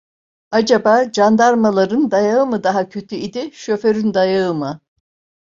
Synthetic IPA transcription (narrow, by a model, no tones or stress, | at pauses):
ad͡ʒabaːd͡ʒand̪aɾmalˠaɾɯnd̪ajaɯmɯd̪aɦacʰø̞t̪ʰyid̪iʃøfø̞ɾynd̪ajaɯmɯ